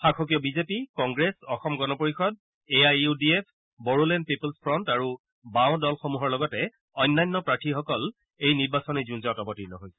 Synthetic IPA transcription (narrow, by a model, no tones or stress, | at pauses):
xakʰɔk̬ijɔbizepikɔŋɡɹesɔxɔmɡɔnɔpoɹixɔd | eajudiepʰ | bɔɹulɛnpipɔlspʰɹɔntaɹu | bãʊ̃dɔlxomuɦɔɹlɔɡɔtɛ | ɔjnːajnːɔpɹatʰixɔkɔl | ejniɹbasɔnɛzunzɔtɔbɔtinɔɦojsɛ̥